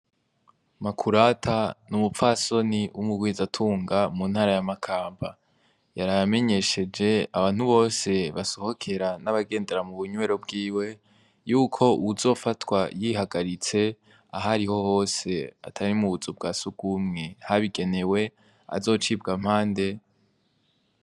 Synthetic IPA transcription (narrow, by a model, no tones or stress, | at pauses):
makʰuɾatʰanumufaso̞niʔumuɡwiːzatʰuːŋɡamun̥haːɾajamakʰaːmba | jaɾaame̞ɲe̞ʃe̞d͡ʒe̞aβaːn̥huβo̞ːse̞βasoho̞kʰe̞ɾanaβaɡe̞ːnde̞ɾamuβuɲwe̞ɾo̞bɡiːwe̞ | juːkʰo̞uuzo̞ːfatwajihaɡaɾit͡se̞ | aɦaɾiho̞ho̞ːse̞a̰tʰaɾimuβuzub̚ɡaːsuɡumŋe̞haβiɡe̞ne̞we̞ | a̰zo̞ːt͡ʃiːbɡam̥haːnde̞